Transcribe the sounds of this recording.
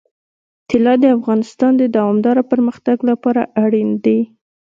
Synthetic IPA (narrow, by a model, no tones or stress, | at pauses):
t̪ɪlɑd̪əafɣɑnɪst̪ɑnd̪əd̪awɑmd̪ɑɾapəɾməxt̪aɡlapɑɾa̰ʔaɽind̪e